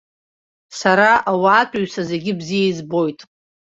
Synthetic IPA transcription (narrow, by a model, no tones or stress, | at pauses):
saɾaʔawaːtʷʼaɥsaze̞ɡʲɪbzijaizbo̞jtʼ